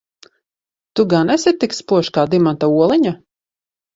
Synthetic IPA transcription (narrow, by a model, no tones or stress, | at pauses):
t̪uɡanɛsʲit̪ːikspuɔʃkaːd̪imant̪auɔlˠiɲa